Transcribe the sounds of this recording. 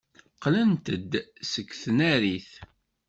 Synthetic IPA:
qlənt̪əd̪səkːθnæɾiθ

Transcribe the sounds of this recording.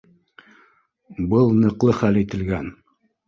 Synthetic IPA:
bɤlˠnɤ̆qlˠɤχælit̪ɘ̆lɡæn

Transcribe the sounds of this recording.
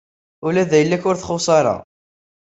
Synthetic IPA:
ʊlæðæjəlːækʊɾθχosˤɑɾˤɑ̰

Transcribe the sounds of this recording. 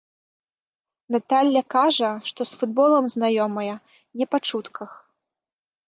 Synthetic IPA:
nat̪alʲːɐkaʐɐʂt̪ɔsfud̪̚bɔlˠɐmznajɔmɐjɐ | nʲɛpat͡ʂut̪kʰɐx

